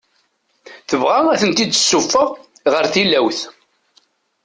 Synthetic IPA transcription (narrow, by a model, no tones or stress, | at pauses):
θəvʁaæθənt̪id̪sːufːəʁ | ʁəɾθilæwθ